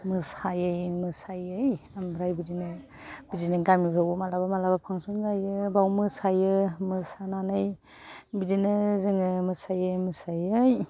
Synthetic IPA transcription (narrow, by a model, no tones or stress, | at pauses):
mɯsajɯjmɯsajɯjambɾajbidinɯ | b̥id͡ʒinɯɡamipʰɾawumalabamalabapʰaŋsunɡajɯbawmɯsajɯmɯsananɯj | bidinɯzɯŋɯmɯsajɯjmɯsajɯj